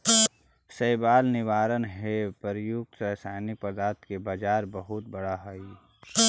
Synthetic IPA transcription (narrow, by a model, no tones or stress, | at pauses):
səɪbaːlnɪʋaːɾənɦepəɾjʊɡ̚t̪əsaːnipəɾd̪aːɾt̪kebaːd͡ʒaːɾbəɦʊt̪̚bəɽaɦɛi